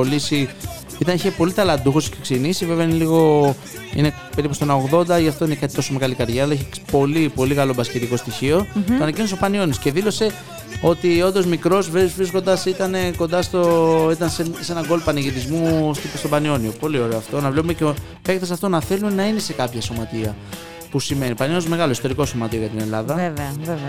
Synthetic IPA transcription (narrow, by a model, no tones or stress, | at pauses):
olisi | it̪ɐneçepo̞lit̪ɐlɐd̪uxosceksenisiveveɐineliɣo̞ | ḭne | pe̞ɾipust̪onɐoɣðo̞nd̪ɐʝɐft̪o̞inekɐt̪i̥t̪o̞so̞meɣɐlikɐɾʝɐːlɐiçepo̞lipo̞liɣɐlo̞bɐsceɾiko̞st̪içio̞toɐnɐcinos̬opɐnio̞nisce̞ðilo̞se̞ | o̞t̪io̞nd̪o̞zmikɾo̞zvvɾisko̞nd̪ɐsit̪ɐne̞ko̞nd̪ɐst̪o̞it̪ɐnsese̞nɐɡo̞lpɐniʝit̪izmust̪ist̪o̞bɐnio̞nio̞po̞lioɾe̞oɐft̪o̞nɐvlepumece | pe̞kt̪esɐft̪o̞nɐθe̞lumenɐinese̞kɐpçɐso̞mɐt̪iɐ | pusime̞nipɐninozme̞ɣɐlo̞ist̪o̞ɾiko̞so̞mɐt̪io̞ʝɐt̪ine̞lɐðɐeveɐvev